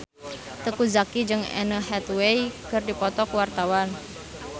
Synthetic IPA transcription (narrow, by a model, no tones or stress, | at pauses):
t̪əkuzakid͡ʒɨŋɛ̰nəɦɛt̪wejkərdipɔt̪ɔkuwart̪awan